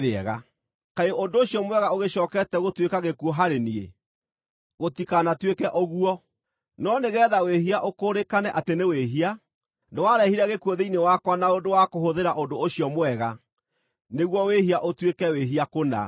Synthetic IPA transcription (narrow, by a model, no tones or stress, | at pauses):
eɛɣa | kaeondoːɕiɔmowɛɣaoɣeɕɔːkɛtɛɣotwekaɣekuɔɦaɾeniḛ | ɣotikanatwekɛʔɔɣuɔ | nɔneɣɛːðaweɦiaʔokoːɾekanɛʔateneweɦia | newaɾɛhiɾɛɣekuoðeinewakwanaondowakoɦoðeɾaʔondoːɕjɔmwɛɣa | neɣwɔwehiaʔotwekɛweɦiakona̰